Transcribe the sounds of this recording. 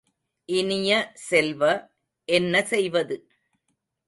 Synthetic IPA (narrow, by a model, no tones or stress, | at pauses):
ʔɪnɪjɐsɛlʋɐ | ʔɛnːɐsɛjʋɐðɯ